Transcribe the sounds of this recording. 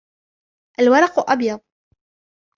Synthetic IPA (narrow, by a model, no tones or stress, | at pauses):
ʔalwɑɾˤɑqʔɑbjɑd̪ˤ